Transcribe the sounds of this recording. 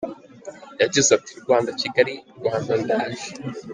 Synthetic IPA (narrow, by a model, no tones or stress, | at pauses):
jaɟizab̚tʰiɾɡwaːndaciɡaɾiɾɡwaːndandaːʒe